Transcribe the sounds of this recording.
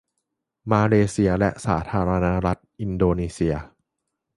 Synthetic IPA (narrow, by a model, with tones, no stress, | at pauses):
maː˧leː˧si˧ɐlɛ˦˥ʔsa̰ː˩˦t̪ʰaː˧ɾa˧na˦˥ɾa˦˥t̪̚ʔi˧ndoː˧niː˧si˧ɐ